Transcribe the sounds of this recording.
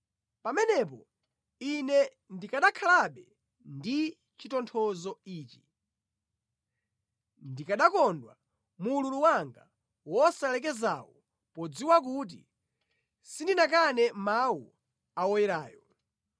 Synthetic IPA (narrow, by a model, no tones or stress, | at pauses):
pamɛnɛp̬ɔ | inɛ | ndikaɗakʰalaɓɛ | ndi | t͡ʃitɔntʰɔzɔiːt͡ʃi̥ | ndikaɗakɔndwa̰ | mululuwaŋɡa̰ | wɔsalɛk̬ɛza̰wɔ | pɔd͡ziwak̬ut̬ḭ | sindinak̬anɛmawu | awɔjɛɾaːjɔ